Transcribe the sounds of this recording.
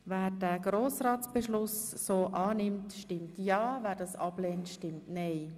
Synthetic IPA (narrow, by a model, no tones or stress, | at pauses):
vɛːɾdɛːɡ̥ɾoːsraːtt͡sb̥əʃlʊs | soːʔɑːnɪmtʃtɪmtjɑːvɛːɾdɑːsɑbleːntʃtɪmtnɛɪ